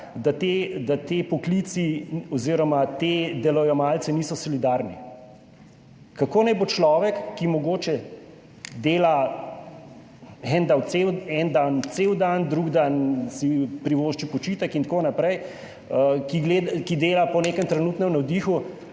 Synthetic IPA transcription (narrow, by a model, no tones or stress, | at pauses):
d̪at̪ed̪at̪epɔklit̪siɔziːɾɔmat̪ed̪ɛlɔjɔmalt̪sɛniːsɔsɔlid̪aɾni | kakoːnɛjbot͡ʃlɔːʋɛkːimɔɡoːt͡ʃɛ | d̪eːla | ɛnd̪awt̪sewɛnd̪ant̪sewd̪and̪ɾuɡd̪ansipɾiʋoːʃt͡ʃipɔt͡ʃiːt̪əkint̪konapɾɛj | əkiɡleːd̪kid̪eːlapɔneːkəmt̪ɾɛnuːt̪nɛmnɐwd̪iːxu